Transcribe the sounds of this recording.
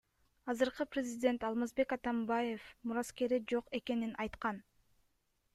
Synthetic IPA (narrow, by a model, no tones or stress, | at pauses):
ɑzɯɾqɯprʲɪzʲɪdʲe̞nt̪ɑlˠmɑzbe̞kɑt̪ɑmbaje̞fmuɾɑske̞ɾid͡ʒo̞qe̞ke̞ninɑjt̪qɑn